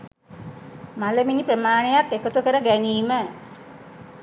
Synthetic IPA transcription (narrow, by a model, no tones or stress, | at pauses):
maləminipɾəmaːɳejak̪ːekət̪ukəɾəɡæniːmə